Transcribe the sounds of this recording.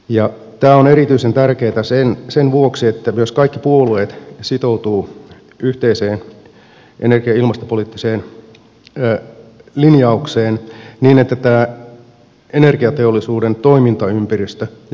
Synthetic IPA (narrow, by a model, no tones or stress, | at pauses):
jɑ | t̪æːoneɾit̪yisent̪ærkeːt̪æsensenʋuoksiet̪ːæyøskɑikːipuolueːt̪sit̪owt̪uː | yht̪eiseːn | ʔenerɡ̥iɑilmɑst̪opoliːt̪ːiseːn | linjɑukseːnniːnet̪ːæt̪æː | enerɡ̥iɑt̪eolːˑisuːdent̪oimint̪ɑympærist̪ø